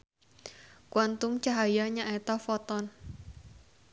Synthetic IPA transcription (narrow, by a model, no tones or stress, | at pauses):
kwant̪umt͡ʃaɦajaɲaʔɛt̪ɔfɔt̪ɔn